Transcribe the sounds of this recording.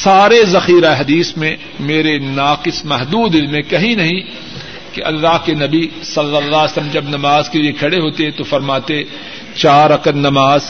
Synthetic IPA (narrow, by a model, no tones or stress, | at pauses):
saːɾezɐxiːɾaeɦɐd̪iːsmẽ | meːɾenaːqɪsmɛɦd̪uːd̪ɪlmẽkɐɦĩnɐɦĩ | keʔɐ̰lːaɦkenɐbi | sɐlːəlːaːsəlmd͡ʒɐbnɐmaːzkeliekʰɐɽeɦoːt̪eɦɛ̃t̪ofɐɾmaːt̪e | t͡ʃaːɾɾːɐkət̪nɐmaːz